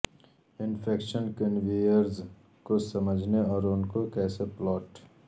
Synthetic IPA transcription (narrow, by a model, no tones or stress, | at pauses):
ɪnpʰeːkʃənkɪnʋiːəɾz | kosɐməd͡ʒʱneɔːɾʊnkokɛːseplɔːʈ